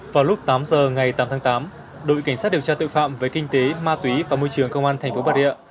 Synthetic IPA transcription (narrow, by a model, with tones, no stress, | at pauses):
vaː˨˩wlʊ˦˥k͡p̚t̪aː˨˦mzəː˨˩ŋa˨˩jt̪aː˨˦mt̪ʰaː˨˦ŋt̪aː˨˦m | ɗo̰˧˨jka˧˩ŋ̟saː˦˥t̚ɗi˨˩əwt͡ɕaː˧t̪o̰˧˨jfa̰ː˧˨mvəː˨˦jkï˧ŋ̟t̪e˨˦maː˧t̪wi˨˦vaː˨˩mo˧jt͡ɕɨ˨˩əŋkə˧wŋ͡mʔaː˧nt̪ʰɛ˨˩ŋ̟fo˨˦ɓaː˧˩ḭ˧˨ə˨